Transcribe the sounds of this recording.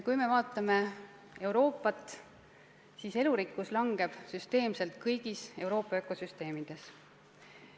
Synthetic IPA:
kujme̞vɑːt̪ːˑɑme̞ | e̞wɾo̞ːpːˑɑt̪ːˑ | siːse̞luɾikːˑuslɑŋɡ̥e̞b̥syst̪e̞ːmse̞lt̪̚kʰɤjɡ̥ise̞wɾo̞ːpːˑɑøkːˑo̞syst̪e̞ːmid̪̥e̞s

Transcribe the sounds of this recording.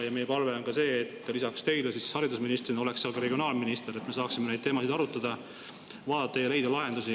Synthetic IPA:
jɑme̞jepɑlve̞o̞nkɑse̞ːt̪ːˑlisɑkst̪e̞jlesishɑɾid̪us̬minist̪rino̞le̞ksːeɑlɡkɑɾe̞ɡio̞nɑːlminist̪eɾe̞t̪ːˑme̞s̬ɑːksimened̪̚t̪e̞ːmɑsid̪ɑɾut̪ˑːɑd̪̥ɑ | vɑːd̪ɑt̪ːɑjɑle̞jd̪ɑlɑɦe̞nd̪usi

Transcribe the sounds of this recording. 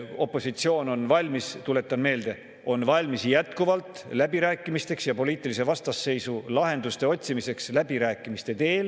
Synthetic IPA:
o̞pːˑo̞sit̪sio̞ːno̞nvɑlʲmist̪ule̞t̪ːˑɑnme̞ːld̪̥e̞ | o̞nvɑlʲmisjæt̪kuvɑlt̪ˑ | læbiɾæːkːˑimist̪e̞ksjɑpo̞lʲiːt̪ːˑilise̞vɑst̪ɑsːe̞jsulɑɦe̞nd̪̥ust̪e̞o̞t̪ʲsimise̞kslæb̥iɾæːkːˑimist̪e̞t̪e̞ːl

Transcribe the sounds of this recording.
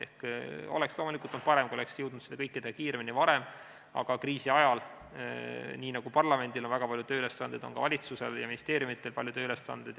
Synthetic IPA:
ḛhko̰lekslomulikult̪ont̪̚pɑɾe̞mkuole̞ksjɤwd̪nud̪̥sed̪ekɤjkːid̪eɑkiːɾeminivɑɾe̞m | ɑ̰ɡ̥ɑkriːsiɑjɑl | niːnɑɡ̥upɑrlɑme̞nd̪̥ilo̞nvæɡ̥ɑpɑlʲjut̪øːyle̞sːɑnd̪ed̪̥onkɑvɑlʲit̪suse̞ljɑ̰minist̪e̞ːɾjumit̪ːˑe̞lpɑlʲjut̪øːyle̞sːɑ̰nd̪̥ed̪

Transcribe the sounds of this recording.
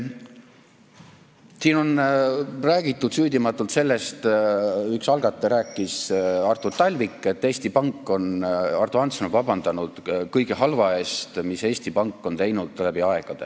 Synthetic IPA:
siːno̞n | ræːɡ̥it̪ːˑud̪̥syːd̪imɑt̪ːˑult̪se̞lːe̞st̪yksɑlɡ̥ɑt̪ːˑeɾæːkːˑisɑrt̪ˑurt̪ɑlʲvikˑːe̞t̪ːe̞ːst̪ipɑŋkˑːo̞nɑrt̪uɑnt̪sɑnovɑb̥ɑnd̪̥ɑnud̪̥kɤjɡ̥eɦɑlvɑe̞ːst̪mise̞ːsʲt̪ipɑŋkːˑo̞nt̪e̞jnud̪̥̚t̪ːlæbiɑe̞ɡ̥ɑd̪̥e

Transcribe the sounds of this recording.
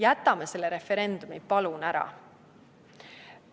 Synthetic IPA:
jæt̪ːˑɑmese̞lːeɾe̞fe̞ɾe̞nd̪̥umipɑlunæɾɑ̰

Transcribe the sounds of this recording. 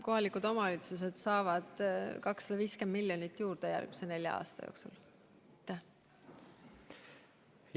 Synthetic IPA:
ko̞ɦɑlikud̪o̞mɑɑlit̪sus̬e̞d̪̥sɑːvɑd̪̥kɑksːɑd̪ɑviːskend̪milːjonit̪ːjuːrd̪̥ejæ̰rɡ̥̚mi̥se̞ne̞lʲjɑ̰ɑ̰ːst̪ɑ̰jo̰ːksṵl | t̪ːæ

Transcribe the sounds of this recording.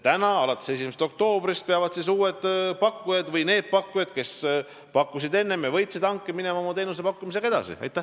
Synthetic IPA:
t̪ænɑɑlɑt̪ːˑese̞s̬imese̥t̪o̞k̚t̪o̞ːbɾist̪̚peɑvɑd̪̥sis̬uːed̪̥pɑkːujɑd̪̥vɤjne̞ːd̪̥̚pɑkːujɑd̪̥ke̞s | pɑkːusid̪e̞nːe̞mevɤ̞jt̪sid̪ɑŋkˑːemine̞mɑomɑt̪e̞ːnus̬epɑkːumis̬eke̞d̪̥ɑ̰sḭɑ̰jt̪ːˑæh

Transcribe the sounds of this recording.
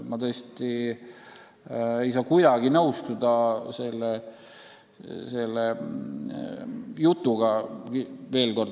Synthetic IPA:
mɑt̪ɤːsʲt̪i | ejs̬ɑːkuj̪ɑɡinɤwst̪ud̪ɑse̞lːe | se̞lːe | jut̪ːˑuɡɑkive̞ːlko̞rd̪

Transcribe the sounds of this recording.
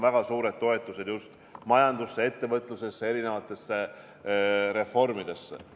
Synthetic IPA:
væɡ̥ɑsuːɾe̞d̪̥̚t̪o̞e̞t̪ːˑuse̞d̪̥just̪ | mɑjɑnd̪̥usːee̞t̪ːe̞vɤt̪ːˑluse̞sːee̞ɾine̞vɑt̪ːˑe̞sːe | ɾe̞fo̞rmid̪̥e̞sːḛ

